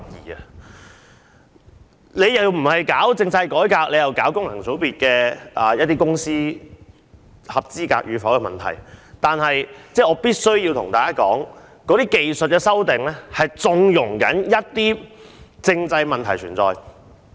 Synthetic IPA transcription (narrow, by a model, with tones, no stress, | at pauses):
jiː˨˩ɐ˧ | le˨˧jjɐ˨wm̩˨˩hɐ˨jkaː˨˥wt͡sɪ˧ŋt͡sɐ˧jkɔː˨˥jkaː˧k̚le˨˧jɐ˨wkaː˨˥wkʊ˥ŋlɐ˨˩ŋt͡so˨˥wpiː˨t̚kɛː˧ʔaː˨˩jɐ˥t̪iː˥kʊ˥ŋsiː˥ | hɐ˨p̚t͡siː˥ka̰ː˧k̚jyː˨˧fɐ˨˥wkɛ˧mɐ̰˨nt̪ʰɐ˨˩jt̪aː˨nhɐ˨jt͡sɛː˥˩ɔː˨˧piː˥t̚sɵ˥ɥjiː˧wt̪ʰʊ˨˩ŋt̪aː˨kaː˥kɔː˨˥ŋ | kɔː˨˥t̪iː˥ke˨jsɵ˨t̚kɛː˧sɐ˥wt̪ɪ˨ŋlɛː˥hɐ˨jt͡sʊ˨˧ŋjʊ˨˩ŋkɐ˨˥njɐ˥t̚t̪iː˥t͡sɪ˧ŋt͡sɐ˧jmɐ˨nt̪ʰɐ˨˩jt͡ʃʰyː˨˩nt͡sɔ̰ː˨˧j